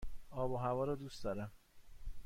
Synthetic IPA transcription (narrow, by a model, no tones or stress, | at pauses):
ɒːboɦævɒːɾɒd̪ust̪ɒːɾæm